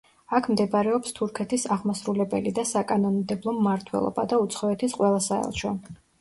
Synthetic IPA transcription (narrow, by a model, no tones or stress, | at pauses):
akʰmd̪ɛbɾɛɔpst̪ʰuɾkʰɛt̪ʰisaʁmasɾulɛbɛlid̪asakʼanɔnmd̪ɛblˠɔmːaɾt̪ʰwɛ̰lˠɔ̰ba̰d̪aut̪sʰχɔɛt̪ʰisqʼwɛlˠasaɛ̰lˠʃɔ